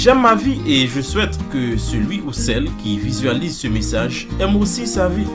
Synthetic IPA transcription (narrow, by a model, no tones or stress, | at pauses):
ʒɛmːavieʒəswɛt̪kəsəlɥiusɛlkʲivizɥalizsəmesaʒ | ɛmosisavi